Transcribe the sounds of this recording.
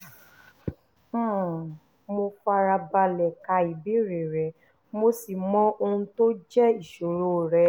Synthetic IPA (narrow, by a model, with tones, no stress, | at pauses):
mo˧fa˧ɾa˧ba˧lɛ˨ka˧i˨bi˨˦ɾe˨ɾɛ˨ | mo˧si˨mɔ̃˦o˧hũ˧to˦d͡ʒɛ˦i˨ʃo˨ɾo˨˦˨ɾɛ˨˦